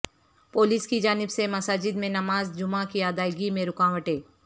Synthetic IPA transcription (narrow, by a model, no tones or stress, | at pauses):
poːlɪskid͡ʒaːnɪbsemɐsaːd͡ʒɪd̪mẽnɐmaːzd͡ʒʊmãkiaːd̪aːɪɡimẽɾʊkaːʋəʈeː